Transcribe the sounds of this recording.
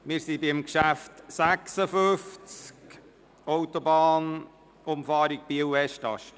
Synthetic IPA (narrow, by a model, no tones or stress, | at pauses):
mɪːɾsibɪmkʃæftsæksəfʏft͡sk | owtobɑːn | ʊmfɑːɾik̚b̥iwɛʃtɑ̰ʃ